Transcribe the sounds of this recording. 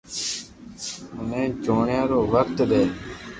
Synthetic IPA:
ʊnẽːd͡ʒoːɳjãːɾoːʋək̚t̪ɗ̪eː

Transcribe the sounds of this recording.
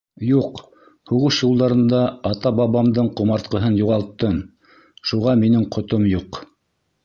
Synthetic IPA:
juq | huʁɤʃjulˠd̪ɑɾɤ̆nd̪ɑɑt̪ɑbɑβɑmd̪ɤɴqŏmɑɾt̪̚qɤ̆ɦɤnjuʁɑlˠt̪ːɤn | ʃuʁɑminɘɴqʰŏt̪omjuq

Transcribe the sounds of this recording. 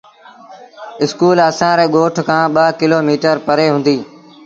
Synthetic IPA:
ɪskuːləsãːɾeːɠoːʈʰkʰãːɓəːkɪloːmiːʈəɾpəɾeːɦʊ̃nd̪iː

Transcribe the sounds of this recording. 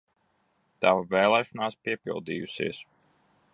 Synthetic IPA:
t̪avavɛːlˠɛːʃɔnaːspiɛpḭlˠd̪ḭːjṵsḭɛs

